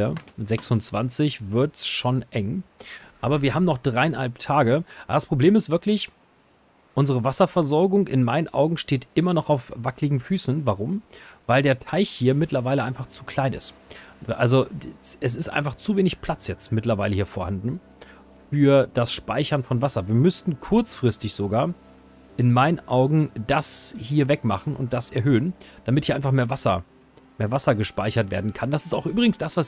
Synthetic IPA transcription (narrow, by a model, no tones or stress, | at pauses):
ɐzɛksʊnt͡sv̥ant͡sɪçvɪɐtsʃoːnʔɛŋʔaːbɐviːɐhaːbm̩nɔχd̥ʁaɪɪnha̰lp̚tʰaːɡəʔaːd̥aspʁ̥obleːmɪstvɪɐklɪç | ʔʊnzəʁəvasɐfɛɐzɔɐɡʊŋʔɪnmaɪnənʔa̰ʊɡŋ̩ʃteːtʔɪmɐnɔχaʊfv̥aklɪɡŋ̩fyːsn̩vaʁʊmvaɪldeːɐtʰaɪçhiːɐmɪtlɐvaɪləʔaɪnfaχt͡su̥kʰl̥aɪnɪ̰stʔa̰lzoʔɛs̬ɪstʔa̰ɪnfaχt͡suveːnɪçpʰl̥at͡sjɛt͡stmɪtlɐvaɪləhiːɐfoːɐhandn̩ | fyːɐd̥asʃpaɪçɐnfɔnvasɐviːɐmʏstn̩kʰʊɐt͡sfʁ̥ɪstɪçz̥oɡaːɐ | ʔɪnmaɪnənʔaʊɡŋ̩d̥ashiːɐvɛkma̰χn̩ʔʊ̰nt̚d̥asɛɐɦøːənd̥amɪthiːɐaɪnfaχmeːɐvasɐ̰ | meːɐvasɐɡəʃpaɪçɐtv̥eːɐdn̩kʰand̥asɪ̥staʊxʔyːbʁɪɡŋ̩sd̥asv̥as